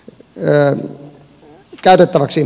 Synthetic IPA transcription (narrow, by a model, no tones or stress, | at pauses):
kæˑyt̪et̪ːæʋæksi